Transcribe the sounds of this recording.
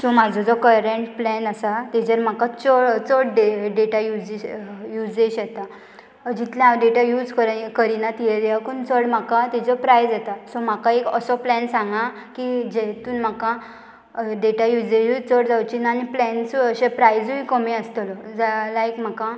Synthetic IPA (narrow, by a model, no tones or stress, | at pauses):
sɔmad͡zʱɔd͡zɔkəɾeɳʈplɛnəsat̪ɛd͡ʑəɾm̤akat͡sɔt͡səɽɖeɖeʈajud͡zejud͡zdeɕjɛt̪a | d͡ʑit̪lãaʋɖeʈajuːd͡zkəɾkəɾinat̪ieɾakunt͡səɽm̤akat̪id͡zɔpɾajd͡zat̪asɔm̤akãekəsɔplɛnsãŋɡã | kid͡ʑet̪uːnm̤akã | ɖeʈajud͡zeuit͡səɽd͡zawt͡ɕinaniplɛnsəɕẽpɾajd͡zuikəmiəst̪əlɔd͡zalaekm̤aka